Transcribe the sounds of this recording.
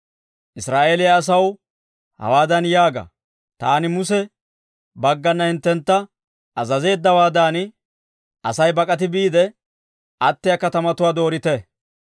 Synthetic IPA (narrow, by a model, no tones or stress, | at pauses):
ʔɪsɾaːʔeːlɪjɐːs̬ɐw | hɐ̰waːd̪ɐnjaːɡɐ̰ | t̪aːnɪmʊs̬ɛ | bɐɡːɐnːɐhɪnt̪ːɛnt̪ːɐ | ɐzɐze̞ːd̪ːɐwaːd̪aːnɪ | ʔɐsɐjbɐkʼɐt̪ɪbiːd̪ɛ | ʔɐt̪ːɪjɐkɐt̪ɐmɐt̪ʊwaːd̪o̞ːɾɪt̪ɛ